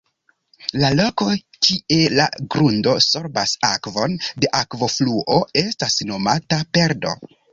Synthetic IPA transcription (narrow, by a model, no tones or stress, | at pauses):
lalo̞ko̞ | tʰie̞la̰ɡɾundo̞so̞ɾbasakvo̞nde̞ʔakvo̞fluʔoe̞stasno̞matape̞ɾdo̞̰